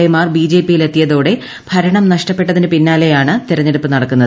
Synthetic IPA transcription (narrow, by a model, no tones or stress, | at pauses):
emaːrbiːd͡ʑe̞ːpijilet̪ːijɐðo̞ːɽe̞ | b̥ʱɐɾɐɳɐmnɐʂʈɐpːe̞ʈːɐðinɨpinːaːle̞jaːɳɨt̪iɾɐɲːe̞ɽupːɨnɐɽɐkːunːɐðɨ